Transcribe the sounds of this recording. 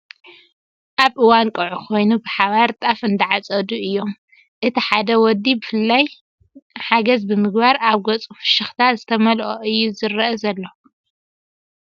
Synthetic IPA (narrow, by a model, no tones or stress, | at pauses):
ʔaβʔɨwankʼɨʕukʰo̞jnubɨħaβaɾt̪ʼafɨnd̪ɐʕat͡sʼɐd̪uʔɨjːo̞m | ʔɨt̪ʰiħad̪ɐwɔd̪ːibɨfɨlːaj | ħaɡɐzbɨmɨɡbaɾaβɡot͡sʼufɨ̥ʃɨxt̪ʰazɨt̪ʰɐmɐlʔo̰ʔɨjːuzɨɾːɐʔɐzɐlːo